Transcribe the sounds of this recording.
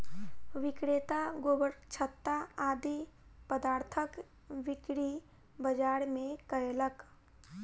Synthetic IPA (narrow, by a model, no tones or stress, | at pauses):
ʋɪkɽeːt̪aɡoːbəɾt͡ʃʰət̪ːaaːd̪ipəd̪aːɾt̪ʰək | ʋɪkɽi | bəd͡ʒaːɾmẽkəjlək